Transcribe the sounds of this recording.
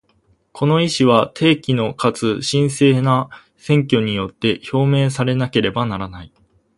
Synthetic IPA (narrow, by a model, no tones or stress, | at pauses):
kʰo̞no̞iɕiβat̪ʰe̞ːkʲino̞kat͡sɨɕĩɰ̃se̞ːna | sẽ̞ŋk̬ʲo̞ɲ̟ijo̞t̪ːe̞ço̞ːme̞ːs̬aɾe̞nake̞ɾe̞banaɾanai